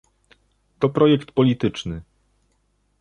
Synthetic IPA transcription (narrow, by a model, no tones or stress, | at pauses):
t̪ɔpɾɔjɛkt̪pɔlʲit̪ɘt͡ʂnɘ